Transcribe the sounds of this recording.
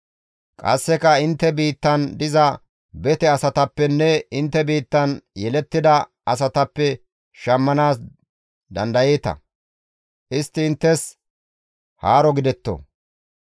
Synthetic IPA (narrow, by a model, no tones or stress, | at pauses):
kʼɐ̰sːɛkɐɪnt̪ːɛbiːt̪ːɐnd̪ɪzɐ | bɛt̪ɛɐsɐt̪ɐpːɛnːɛɪnt̪ːɛbiːt̪ːɐnjɛlɛt̪ːɪd̪ɐ | ɐs̬ɐt̪ɐpːɛ | ʃɐmːɐnaːs | d̪ɐnd̪ɐjeːt̪ɐ̰ | ʔɪst̪ːɪɪnt̪ːɛs | haːɾɔɡɪd̪ɛt̪ːo̰